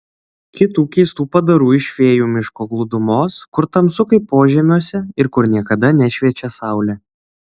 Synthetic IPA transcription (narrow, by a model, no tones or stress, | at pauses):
kʲɪt̪uːkʲɛɪst̪uːpɐd̪ɐɾuːɪʃʲʋʲeːjuːmʲɪʃkoːɡlˠʊd̪ʊmoːskʊɾt̪ɐmsʊkɐɪpoːʒʲɛmʲoːsʲɛɪɾkʊɾnʲiɛkɐd̪ɐnʲɛʃʲʋʲiɛt͡ʃʲɛsɑˑʊlʲɛː